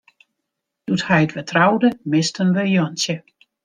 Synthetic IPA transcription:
d̥uthɛjətʋətʰrawdəmɪstənʋəjɔnsjə

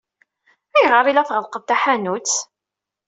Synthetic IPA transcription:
æjʁəɾˤilæθʁəlqəvt̪æħænut͡sː

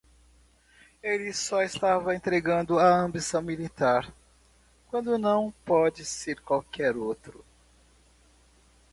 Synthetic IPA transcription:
elɪsɔest̪avɐẽnt̪ɾeɡɐ̃nd̪ʊɐɐ̃mbisɐ̃w̃milit̪aɾ | kwɐ̃nd̪ʊnɐ̃w̃pɔd͡ʒɪseɾkwawkɛɾowt̪ɾʊ

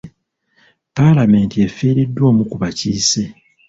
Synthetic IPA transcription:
palame̞ːntie̞feːɾidːwo̞ːmukuβaciːse̞

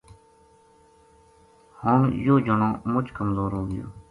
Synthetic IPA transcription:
hoːɳjoːd͡ʒəɳãːmʊt͡ʃkəmzoːɾɦoːɡɪ̰jo̰ː

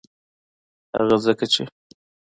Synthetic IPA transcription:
ha̰ɣazəkat͡ʃe

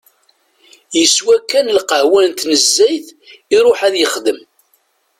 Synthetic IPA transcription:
jəswækːænəlqəʕwænt̪nəzːæjθiɾˤoħæðjəχd̪əm

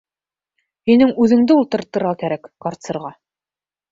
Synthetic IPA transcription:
hinɘŋʉðɘ̆ŋd̪ɘulˠt̪ɤ̆ɾt̪ːɤ̆ɾʁɑkæɾækːɑɾt̪sɤ̆ɾʁɑ

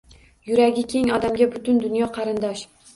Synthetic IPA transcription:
jʊɾaɡʲɪkʲʰe̞ŋɒd̪amɡʲabʊt̪ʊnd̪ʊnjɒqʰɑɾɪnd̪ɒʃ

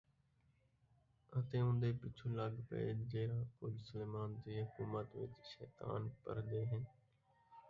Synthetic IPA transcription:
ə̃t̪ẽːʊ̃nd̪eːpɪt͡ʃʰuːlaɡpə̰ḛd͡ʒeːɾãːkʊːd͡ʒsəleːmaːnd̪iːɦʊkuːmət̪ʋɪ̰t͡ʃʃɛːt̪a̰ːnpə̰ɾd̪eːɦɪn

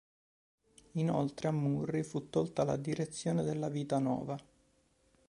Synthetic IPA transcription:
ino̰lt̪ɾeamːurːifut̪ːolt̪ala̰d̪iɾet̪sːjoːned̪elːaviːt̪anɔ̰ːva

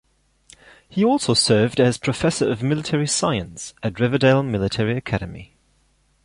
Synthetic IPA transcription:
hiɔˑlˠsəʊsɜːvdəz̥pʰɹ̥əfɛsəɹəvmɪlɪtʰɛɹisaɪə̃nsətɹɪvədeɪlˠmɪlɪtʰɛɹiəkʰaɾəmḭ

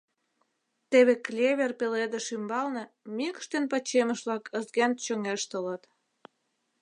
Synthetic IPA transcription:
t̪eβeklʲeβʲerpeled̪ĕʃymbɑlnĕ | mikə̥ʃt̪enpət͡ɕemə̆ʃβlɑkə̆zɡænt̪t͡ɕəŋeʃt̪ələt̪

